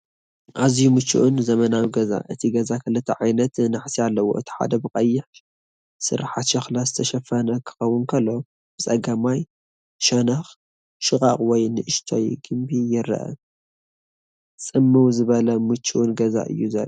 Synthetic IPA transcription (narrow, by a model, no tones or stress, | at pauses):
ʔazjumɨt͡ʃːṵʔunzɐmɐnawiɡɐza̰ʔɨt̪ʰiɡɐzakʰɨlɨt̪ʰɐʕajnɐt̪naħsialːɐwo̞̰ʔɨt̪ʰi̥ħa̰d̪ɐbɨkʼɐjːɪħ | sɨ̰ɾħat̪ʃɐxlazɨt̪ʰɐʃɐfɐnɐkʰɨ̥xɐwːʊnkʰɐlːo̞ | b̥ɨt͡sʼɐɡamaj | ʃɐnɐx | ʃɨkʼa̰χʼwɔjnɨʔɨʃt̪ʰo̰jɡ̥ɨmbijɪɾɐ̰ʔɐ̰ | t͡sʼɨmːɨwzɨβɐlɐmɨt͡ʃːuʔunɡɐza̰ʔɨ̰jːuzɐ̰l